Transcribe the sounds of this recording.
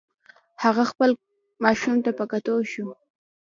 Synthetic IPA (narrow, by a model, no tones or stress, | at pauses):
haɣaxpəl | mɑʃumt̪apəkat̪oʃu